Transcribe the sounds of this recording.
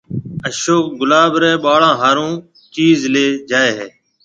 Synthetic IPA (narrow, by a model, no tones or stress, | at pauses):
əʃoːk̚ɡʊlaːbɾɛ̃ːɓaːɭãːɦaːɾõː | t͡ʃiːzleːd͡ʒaːeːɦeː